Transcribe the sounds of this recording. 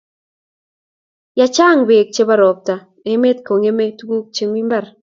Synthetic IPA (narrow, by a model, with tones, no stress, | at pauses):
ja˨t͡ʃa˦˨ŋbe˨k̚t͡ʃe˦ba˦ɾɔ˨p̚ta˨ | e˦me˦tko˨ŋe˦me˦tɡu˦k̚t͡ʃe˦mi˦mba˦˨r